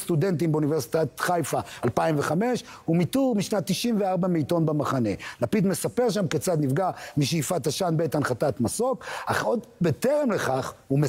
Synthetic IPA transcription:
st̪ud̪e̞ntimbeunivesi̥t̪at̪χajfaalpaimveχame̞ʃumit̪uʁmiʃnat̪ːiʃimveaʁbamiito̞nbamaχane̞lapid̪me̞sape̞ʁʃ̬amket͡sad̪nivɡamiʃeifat̪aʃanbet̪anχat̪at̪maso̞ka̰χod̪bet̪eʁemle̞χaχume

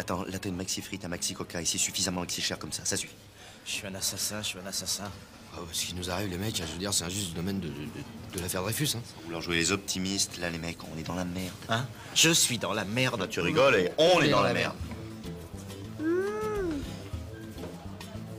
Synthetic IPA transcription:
at̪ɑ̃lat̪nmaksifχit̪ɛ̃maksikɔkaesiɛsyfizamɑ̃maksiʃɛʁkɔmsasasyfi̥ | ʃʃɥiɛ̃nasasɛ̃ʃɥiɛ̃nasasɛ̃ | asə̥kʲinuzaʁivlemɛkɛ̃ʒəəd̪iʁsɛɛ̃ʒyst̪d̪əd̪ɔmɛnd̪əd̪əlafɛʁd̪ʁefysɛ̃sɑ̃vulwaʁʒuelezɔp̚t̪ʰimist̪lalemɛkɔ̰̃nɛd̪ɑ̃lamɛʁd̪̃ | ʒ̥əsɥid̪ɑ̃lamɛʁd̪t̪yʁiɡɔleɔ̃nɛd̪ɑ̃laamɛ̰ʁd̪

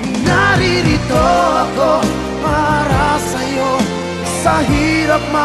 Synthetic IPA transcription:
naɾiɾit̪oɐko | paɾasɐjo | sɐɦiːɾɐp̚ma

